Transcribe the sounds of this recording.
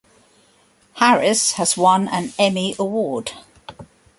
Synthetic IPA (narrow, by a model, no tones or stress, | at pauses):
haɹɪshəz̥wʌ̃nə̃nɛmiəwɔːd̥